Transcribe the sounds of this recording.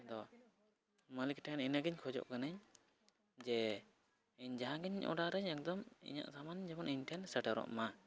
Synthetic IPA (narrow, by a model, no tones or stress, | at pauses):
d̪ɔ | məlik̚ʈʰɛnɛnaɡiɲkʰɔd͡ʒɔ̰ʔkanaɲ | d͡ʒɛ | ɛɲd͡ʒaɦãɡɛɲʔɔ̰ɖaɾɛɲɛk̚d̪ɔmḭɲa̰ʔsamand͡ʒɛbɔnʔiɲʈʰɛnsəʈaɾɔ̰ʔma